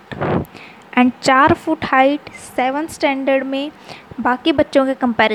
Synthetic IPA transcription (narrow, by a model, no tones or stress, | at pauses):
ɛ̃ːnt͡ɕaːɾfuːʈhaːɪʈseːʋənsʈɛ̃ːɳɖəɾɖmẽbaːkibɐtːʃõkʰekɐ̃mpɛːɾ